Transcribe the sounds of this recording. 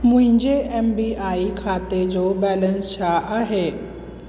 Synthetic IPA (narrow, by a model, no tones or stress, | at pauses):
mʊ̃ɦɪ̃ɲd͡ʑeʔɛːmbiːaːikʰaːt̪ed͡ʑoːbɛːlə̃nst͡ɕʰaʔaːɦeː